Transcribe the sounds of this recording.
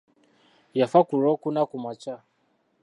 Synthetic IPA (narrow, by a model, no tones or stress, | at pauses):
jafakuɾɔkunakumat͡ʃa